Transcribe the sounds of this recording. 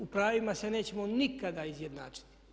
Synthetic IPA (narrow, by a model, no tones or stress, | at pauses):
upɾaːʋimase̞ne̞ːt͡ɕe̞monikad̪aizje̞d̪na̰ːt͡ʃi̥t̪i̥